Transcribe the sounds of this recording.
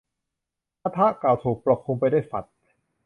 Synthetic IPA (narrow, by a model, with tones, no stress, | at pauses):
aː˧˥t̪ʰa˦˥ʔklaː˨˩wt̪ʰuː˨˩k̚pɾa˧˩kʰːu˧mpa˧jdaː˥˩jfa̰˨˩t̪̚